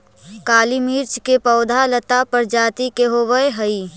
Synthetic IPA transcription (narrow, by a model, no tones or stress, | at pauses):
kaːlimiːɾt͡ʃkepɐʊd̪ʱalət̪apəɾd͡ʒaːt̪ikeɦoʋəeɦɐi